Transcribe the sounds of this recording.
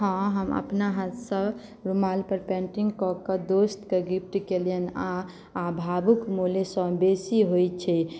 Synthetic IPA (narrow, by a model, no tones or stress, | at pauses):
ɦãɦəmə̰pnaɦat̪sə̃ | ɾumalpəɾpẽɳʈiŋɡkɔkəd̪ost̪keɡip̚ʰʈikelijənaː | bʱabukmolesə̃besiɦojt͡ʃʰɛ